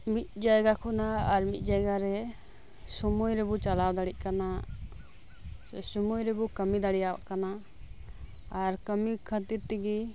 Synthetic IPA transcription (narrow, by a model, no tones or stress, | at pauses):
mit̪̚d͡ʒajɡakʰɔnaaɾmit̪̚ˀd͡ʒajɡaɾɛ | sumujɾɛbɔt͡ʃalawd̪aɽic̚ˀkana | sumujɾɛbɔkəmid̪aɽijawa̰ʔkana | aɾkəmikʰət̪iɾt̪iɡi